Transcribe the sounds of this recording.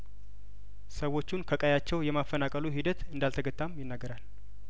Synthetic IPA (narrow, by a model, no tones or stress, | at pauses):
səwo̞t͡ʃːunkʰəkʼajat͡ʃːɛwjɛmafːənakʼəluɦid̪ət̪ɨnd̪alt̪ʰəɡət̪ʼːamjɪnːaɡːəɾal